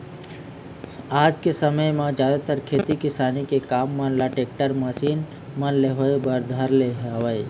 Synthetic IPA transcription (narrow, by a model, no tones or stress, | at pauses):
aːd͡ʒkesəməjmãd͡ʒjaːd̪at̪əɾkʰeːt̪ikɪsaːnikekaːmːãːnlaʈeːk̚ʈəɾməsiːn | mãnleɦoebəɾd̪ʱaɾleɦaʋəj